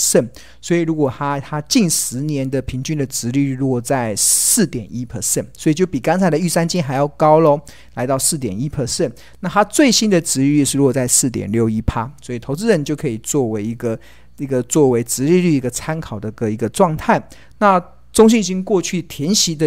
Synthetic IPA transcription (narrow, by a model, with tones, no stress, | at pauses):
ʂə˥˩n | swɔ˧˥i˨˩ɻu˧˦˥kwɔ˨˩t̪ʰa˥t̪ʰa˥t͡ɕi˥˩nʂɻ̩˧˥njɛ˧˦nd̪ə˨pʰi˧˥ŋt͡ɕy˥nd̪ə˨t͡sɻ̩˧˥ly˥˧lwɔ˥˩˨t͡sa˥˧ɪsɹ̩˥˩t̪jɛ˨˩ni˦˥pʰə˨˧˩ʂə˥˩nswɔ˧˥i˨˩t͡ɕjo˥˩ʊpi˨˩ka˥nt͡sʰa˨˩ɪə˨˩y˥˩sa˥nt͡ɕi˥nxa˧˥ɪjɑ˥˩ʊkɑ˥ʊlə˨ | la˧˥ɪt̪ɑ˥˧ʊsɹ̩˥˩t̪jɛ˨˩ni˦˥pʰə˨˧˩ʂə˥˩n | na˥˩t̪ʰa˥t͡swe˥˩ɪɕi˥nd̪ə˨t͡sɻ̩˧˥ly˥˩˧ʂɻ̩˥˧ɻwɔ˨˩t͡sa˥˧ɪsɹ̩˥˩t̪̬jɛ̰˨˩nljo˥˩ʊi˥pʰa˥swɔ˧˥i˨˩t̪ʰo˧˥ʊt͡sɹ̩˧ə˥˩nt͡ɕjo˥˩ʊkʰɤ˧˥i˨˩t͡swɔ˥˩we˧˥ɪi˧˥ɡə˧ | i˧˥ɡə˧t͡swɔ˥˩we˧˥ɪt͡sɻ̩˧˥li˥˧ly˥˩i˧˥ɡə˧t͡sʰa˥nkʰɑ˨˩ʊd̪ə˦˧ɡə˨i˧˥ɡə˧ʈ͡ʂwɑ˥˧ŋt̪ʰa˥˩ɪ | na˥˩ | t͡sʊ˥ŋɕ̬y˥˩ni˨˩t͡ɕi˥nkwɔ˥˧t͡ɕʰy˥˩t̪ʰjɛ˧˥nɕi˧˥d̪ə˨